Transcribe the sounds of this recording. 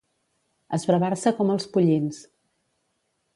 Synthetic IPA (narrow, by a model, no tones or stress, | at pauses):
əzβɾəβarsəkɔməlˠspuʎins